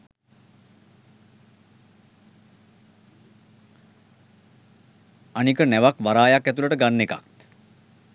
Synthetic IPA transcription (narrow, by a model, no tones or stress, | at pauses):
anikənɛʋakʋaɾaːjakːæt̪uləʈəɡanːeka̰k̪